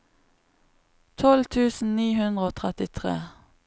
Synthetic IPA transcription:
t̪ʰɔlt̪ʰʉːsn̩niːhʉnd̪ʁəoːt̪ʰʁɛt̪ɪt̪ʰʁeː

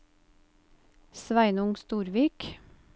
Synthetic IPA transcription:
sʋæɪnʊŋst̪uːɾʋiːk

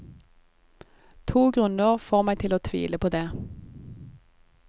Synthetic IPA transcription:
t̪ʰuːɡʁʉnəʁfoːʁmæɪt̪ʰɪloːt̪ʰʋḭːləpʰoːd̪eː

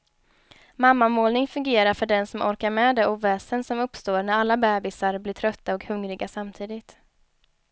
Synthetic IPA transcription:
mamːamoːlnɪŋfɵŋɡeːɾaɾfœɖɛnsɔmʔɔ̰ɾkaɾmɛd̪ɛʔuːvɛːsənsɔmɵpst̪oːɾnæɾalːabɛːbɪsaɾblɪʈʰɾœt̪ːaɔkhɵŋɾɪɡasamt̪ʰiːd̪ɪt̪

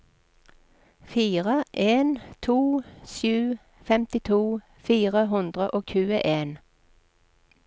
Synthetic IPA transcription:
fiːʁəʔeːnt̪ʰuːʃʉː | fɛmt̪ɪt̪ʰuː | fiːʁəɦʉnd̪ʁəʔoːçʉːəʔeːn

